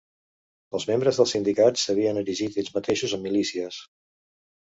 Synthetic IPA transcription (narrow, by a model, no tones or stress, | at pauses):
əlˠzmembɾəzðəlˠsind̪ikat͡ssːəβ̞iənəɾiʒit̪eʎzmət̪eʃuzəmːilisiəs